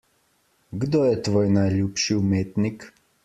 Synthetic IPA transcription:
ɡd̪oːjɛt̪ʋoːjnajlʲjuːpʃiumeːt̪nik

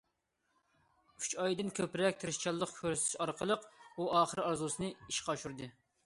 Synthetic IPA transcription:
y̥t͡ʃʰɑjd̪ɨnkʲʰøpɾɛkʲt̪ʰɨɾɨʃt͡ʃʰɑlˠːəqkʲʰøɾst̪ʰyʃɑɾqəlˠəquɑːχəɾɑɾzusɨnɨiʃqɑʃuɾd̪ɨ

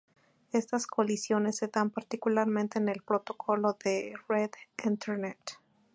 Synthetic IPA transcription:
e̞st̪askolisjo̞nesːe̞ðampaɾt̪ikulaɾmẽnt̪enelpɾot̪o̞kʰo̞lo̞ðereðint̪eɾnet̪

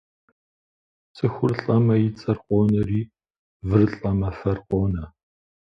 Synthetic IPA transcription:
t͡sʼɨxʷʊrɬʼɐmɐjɪt͡sʼɐrqʷʼoːnɐriː | vɨrɬʼɐmɐfɐrqʷʼoːnɐ

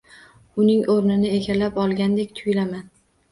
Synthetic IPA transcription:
ʊnɪŋʔoɾnɪnɪeɡʲalːapɒlˠɡʲand̪ekʲt̪ʰʊjlaman

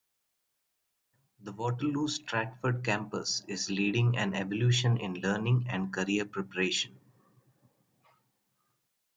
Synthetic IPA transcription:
d̪əʋɔːʈəlːuːsʈɾæʈfəɾɖ̚kæ̃mpə̰sɪzliːɖɪ̃ŋæ̰̃neʋɔljuːʃə̃nɪ̰̃nləːɾnɪ̃ŋɛ̃ɳɖ̚kəɾiəɾpɾɛpəɾeːʃə̃n

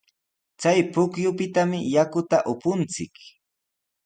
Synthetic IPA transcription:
t͡sajpʊkjʊpɪt̪amɪjakʊt̪aʔʊpʊnt͡sɪ̰k

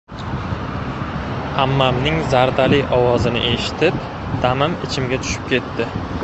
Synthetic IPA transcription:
amːamnɪŋzaɾd̪alɪɒwɒzɪnɪ̰ʔe̞ʃɪ̥t̪ʰɪp | d̪̥amɪmɪt͡ʃʰɪmɡʲat̪ʰʊ̥ʃɪ̥p̚kʲe̞t̪ʰːɪ

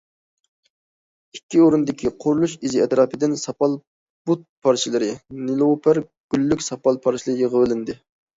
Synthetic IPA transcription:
ikʲːioɾund̪ɪkʲʰiqʰʊɾlˠuʃizɪɛt̪ɾɑːpɪd̪ɪnsɑpɑlˠ | but̪̚pʰɑɾt͡ʃʰilˠɨɾɪnɪlˠopʰæɾ | ɡ̥ʲylːykʲsɑpɑlˠpʰɑɾt͡ʃʰilˠɨɾjəʁəwɪlɪnd̪ɪ

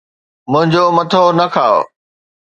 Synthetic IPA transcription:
mʊ̃ɦɪ̃ɲd͡ʑoːmɐt̪ʰonɐkʰaːo̰

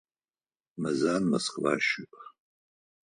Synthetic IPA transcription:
mɐzaːnmɐsqʼba̰ːʃɪpʰʼ

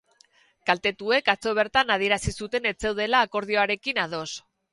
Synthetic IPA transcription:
kalt̪e̞t̪ue̞kat͡so̞β̞e̞ɾt̪anað̞ie̞ɾasisut̪e̞ne̞t͡se̞wð̞e̞laːko̞ɾð̞io̞aɾe̞kinað̞o̞s

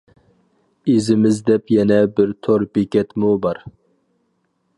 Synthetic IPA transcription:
ezɪmɪzd̪ɛpjɛnɛbɪɾt̪ʰoɾbekʲɛt̪mubɑɾ

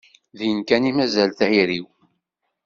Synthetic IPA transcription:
ðjənkænimæzælθʕiɾiw

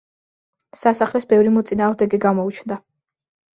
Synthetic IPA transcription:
sasaχlɛsbɛvɾimɔt̪sʼinaːʁvmnd̪ɛɡiɡamɔut͡ʃʰnd̪a

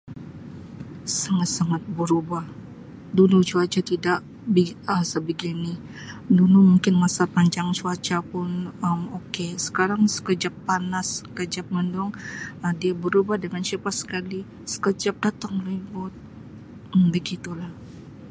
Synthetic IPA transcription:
saŋat̪̚saŋat̪̚bəɾubah | dunut͡ʃuat͡ʃat̪idaʔ | biəsəbəɡinɪ | dunumuŋkɪnmasapaɲd͡ʒaŋt͡ʃuat͡ʃapʊnəmokesə̥kaɾaŋsə̥kəd͡ʒapːanaskəd͡ʒap̚məndɔŋədiabəɾubahdəŋant͡ʃipasə̥kali | sə̥kəd͡ʒap̚dat̪aŋribʊt̪̩̚ | bəɡit̪ulah

